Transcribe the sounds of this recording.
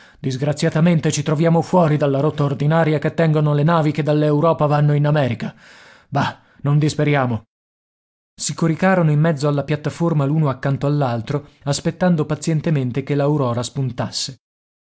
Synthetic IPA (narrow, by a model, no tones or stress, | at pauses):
d̪izɡɾat̪sːjat̪ament̪et͡ʃit̪ɾovjaːmofwɔːɾid̪alːaɾot̪ːaord̪inaːɾjaket̪ːɛŋɡonolenaːviked̪ːalːewɾɔːpavanːoinamɛːɾika | ba | nond̪ispeɾjaːmo | sikoɾikaːɾonoimːɛd̪zːoalːapjat̪ːaformaluːnoakːant̪oalːalt̪ɾoaspet̪ːand̪opat̪sjɛnt̪ement̪ekelːauɾɔːɾaspunt̪asːe